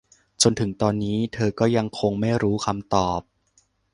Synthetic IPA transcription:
t͡ɕo˧nt̪ʰɯ˨˩˦ŋt̪ɔː˧nːiː˦˥t̪ʰɤː˧kɔː˥˩ja˧ŋkʰo˧ŋma˥˩jɾuː˦˥kʰa˧mt̪ɔː˨˩p̚

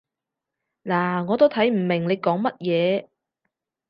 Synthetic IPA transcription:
laː˨˩ŋɔː˨˧t̪o˥wt̪ʰɐ˨˥jm̩˨˩mɪ˨˩ŋle˨˧jkɔː˨˥ŋmɐ˥t̚jɛː˨˧

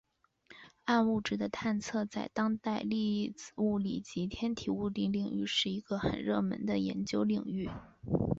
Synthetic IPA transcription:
a˥˧nu˥˩ʈ͡ʂɻ̩˥˩d̪ə˦t̪ʰa˥˧nt͡sʰɤ˥˧t͡sa˥˩ɪt̪ɑ˥ŋt̪a˥˧ɪli˥˧t͡s̩˧˩u˥˩li˨˩t͡ɕi˧˥t̪ʰjɛ˥nt̪ʰi˨˩u˥˧t̪i˥˧ŋli˨˩ŋy̰˥˧ʂɻ̩˥˩i˧˥ɡ̥ə˧xə̰˨˩nɻɤ˥˩mə̰˧˥nd̪ə˧jɛ̰˧˥nt͡ɕjo˥ʊli˨˩ŋy˥˩

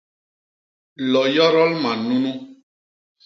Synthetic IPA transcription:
lɔ˨jɔ˦ɾɔ˦lmã˨nũ˦nũ˦

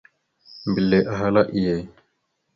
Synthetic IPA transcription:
mbi˨lːe˨ʔa˨ɦa˦la˦ʔi˨je˨

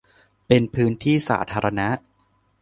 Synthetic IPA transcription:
pe˧npʰɯː˦˥nt̪ʰiː˥˩sa̰ː˩˦t̪ʰaː˧ɾa˧na˦˥ʔ

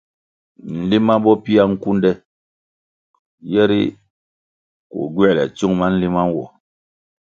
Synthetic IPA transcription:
n̩˨li˦ma˦bɔ˦pi˦a˦ŋ̩˦ku˦ndɛ˦ | jɛ˦ɾḭ˦ | ko̰˨ɡwɛ˦˨lɛ̰˨t͡ʃu˦ŋma˦n̩˦li˦ma˦n˦wɔ˨

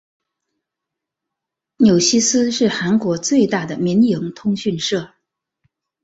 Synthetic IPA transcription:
njo˨˩ʊɕi˥sɹ̩˥ʂɻ̩˥˩xa˧˥nkwɔ˧˥t͡swe˥˧ɪt̪a˥˩d̪ə˩mi˧˥njɤ˧˥ŋt̪ʰʊ˥ŋɕy˥˧nʂɤ˥˩

